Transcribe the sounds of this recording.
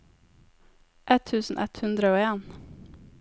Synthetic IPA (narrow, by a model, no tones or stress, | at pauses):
ʔɛt̪ʰːʉːsn̩ʔɛt̪hʉnd̪ɾəoːeːn